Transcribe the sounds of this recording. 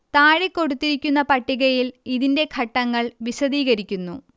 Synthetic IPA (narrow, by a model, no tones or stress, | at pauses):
t̪aːɻekːo̞ɽut̪ːiɾikʲːunːɐpɐʈːiɣɐjiliðinde̞kʰɐʈːɐŋːɐɭʋiɕɐðiːɣɐɾikʲːunːṵ